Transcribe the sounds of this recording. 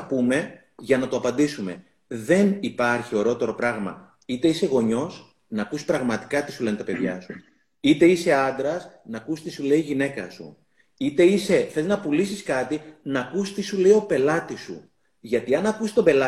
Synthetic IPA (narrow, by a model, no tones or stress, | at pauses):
pume̞ | ʝɐnɐt̪o̞ɐpɐnd̪isume̞ | ðe̞nipɐɾçio̞ɾeo̞t̪e̞ɾo̞pɾɐɣmɐ̰ | it̪e̞ise̞ɣo̞ɲo̞s | nɐːkusispɾɐɣmɐt̪i̥kɐt̪isulent̪ɐpe̞ðʝɐsu | it̪e̞ise̞ɐnd̪ɾɐsnɐkust̪isule̞iʝine̞kɐ̰sṵ | it̪e̞ise̞θeznɐpulisiskɐt̪inɐkust̪isule̞io̞pe̞lɐt̪isṵ | ʝɐt̪iɐnɐkusi̥st̪obe̞lɐ